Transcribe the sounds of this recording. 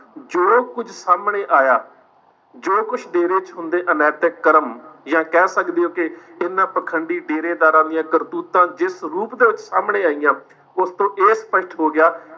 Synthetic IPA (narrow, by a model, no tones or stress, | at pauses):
d͡ʒoːkʊd͡ʒʱsaːmɳeːʔaːjaː | d͡ʒoːkʊt͡ʃʰɖeːɾeːt͡ʃɦʊ̃nd̪eːʔənɛːt̪eːkəɾəmjãːkɛːsəkd̪eːoːkɪɪnːãːpəkʰəɳɖiːɖeːɾeːd̪aːɾãːd̪ijãːkəɾt̪uːt̪ãːd͡ʒɪsɾuːpd̪eːʋɪt͡ʃsaːmɳeːaːijãː | ʊst̪õːʔeːspəʃʈɦoːɡɪjaː